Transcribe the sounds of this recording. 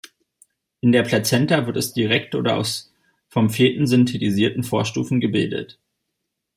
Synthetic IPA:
ʔɪndeːɐpʰlat͡sɛntɐvɪɐtɛsd̥iʁɛk̚tʔo̰ːdɐʔa̰ʊs | fɔmfeːtn̩zʏntʰetiziːɐtn̩foːɐʃtṵːfn̩ɡəbɪldə̰t

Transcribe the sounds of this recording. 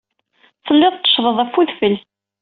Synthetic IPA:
θəlːɪðˤt̪ːə̥ʃðˤəðˤæfːuðfəl

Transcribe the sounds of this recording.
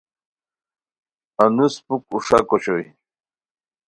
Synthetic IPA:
anuspuk̚uʂakoɕoj

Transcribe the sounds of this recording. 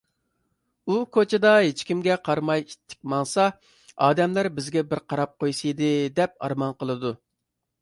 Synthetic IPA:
ukʰot͡ʃʰɪd̪ɑɦet͡ʃkʲimɡʲɛqʰɑɾmɑjit̪ʰːɪ̥k̚ʲmɑŋsɑ | ɑːd̪ɛmlæɾbɪzɡʲɛbɪɾqʰɑɾɑp̚qojsɨjd̪ɨd̪ɛp̚ɑ̰ɾmɑnqəlˠɨd̪u

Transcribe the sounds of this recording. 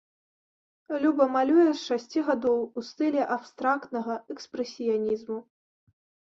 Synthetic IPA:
lʲubɐmalʲujɛʂʂasʲt͡sʲiɣad̪ɔwust̪ɨlʲɛʔapst̪ɾakt̪nɐɣɐɛkspɾɛsʲijanʲizmu

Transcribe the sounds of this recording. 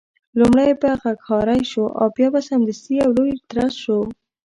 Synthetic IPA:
lumɽajbaɣakxɑɾajʃoʔa̰pjɑbasamd̪əst̪iawlojɪɾt̪ɾɑsʃo

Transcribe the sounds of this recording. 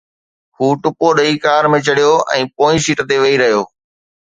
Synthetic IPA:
huːʈʊpoɗɐikaːɾmẽt͡ɕɐɽijoɛ̰̃ːpoːĩsiːʈt̪eʋɐiɾɐɦjoː

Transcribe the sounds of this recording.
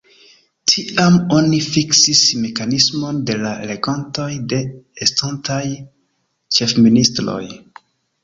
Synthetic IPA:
tʰiamo̞nifiksisme̞kanismo̞nde̞laele̞ɡonto̞jde̞estantʰaj | t͡ʃe̞fministɾo̞̰j

